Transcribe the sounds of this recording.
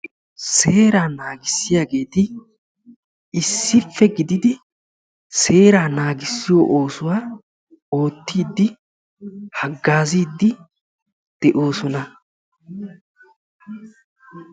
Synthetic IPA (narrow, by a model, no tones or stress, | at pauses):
se̞ːɾaːnaːɡɪsːɪjaːɡe̞ːt̪ɪ | ɪsːɪfːɛɡɪd̪ɪd̪ɪ | se̞ːɾaːnaːɡɪsːɪjoːʔoːsʊwaː | o̞ːt̪ːiːd̪ːɪ | hɐɡːaːziːd̪ːɪ | d̪̥ɛʔo̞ːsɔnɐ